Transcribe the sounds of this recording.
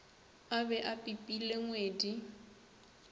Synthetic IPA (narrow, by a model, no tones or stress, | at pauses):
abɛʔapʼipʼileŋweːdi